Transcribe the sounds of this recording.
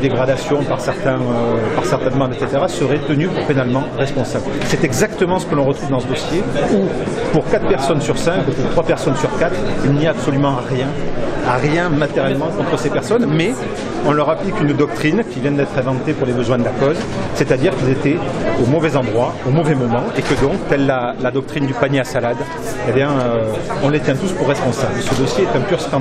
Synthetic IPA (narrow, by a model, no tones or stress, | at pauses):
d̪eɡʁad̪asjɔ̃paʁsɛʁt̪ɛ̃øpaʁsɛʁt̪ɛnmɑ̃d̪ɛt̪set̪eʁasəʁɛt̪ənypuʁpenalmɑ̃ʁɛspɔ̃sablsɛt̪ɛɡzakt̪əmɑ̃sə̥kəlɔ̃ʁət̪χuvd̪ɑ̃səd̪ɔsjeu | puʁkat̪χpɛʁsɔnsyʁsɛ̃kupuʁt̪χwapɛʁsɔnsyʁkat̪χilnijaːbsolymɑ̃ʁjɛ̃aʁjɛ̃mat̪eʁjɛlmɑ̃kɔ̃t̪χəsepɛʁsɔnmɛ | ɔ̃lœʁaplikynd̪ɔk̚t̪χinkʲivjɛ̃d̪ɛt̪χɛ̃vɑ̃t̪epuʁlebəzwɛ̃d̪əlakɔz | sɛt̪ad̪iʁkilzet̪ɛomɔvɛzɑ̃d̪ʁwaomɔvɛmɔmɑ̃ekəd̪ɔ̃k̚t̪ɛlːalad̪ɔk̚t̪χind̪ypaɲjeasalad̪ | ebjɛ̃øɔ̃let̪jɛ̃t̪uspuʁːɛspɔ̃sablsəd̪ɔsjeɛt̪ɛ̃pyʁst̪ɑ̃